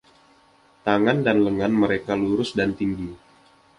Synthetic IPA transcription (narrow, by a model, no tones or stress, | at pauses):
t̪aŋandanləŋanməɾekaluɾʊsdant̪iŋɡi